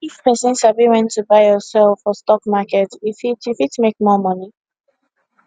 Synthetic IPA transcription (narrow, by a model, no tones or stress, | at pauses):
ifpɛsə̃nʃabiwɛ̃ntʰːubaɪjɔsɛlˠfɔstɔkmakɛtifitifitmek̚mɔmʌni